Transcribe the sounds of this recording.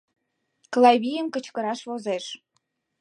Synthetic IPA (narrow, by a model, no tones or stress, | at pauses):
klˠɑjβʲijəmkə̆t͡ɕkə̆ɾɑʃβozeʃ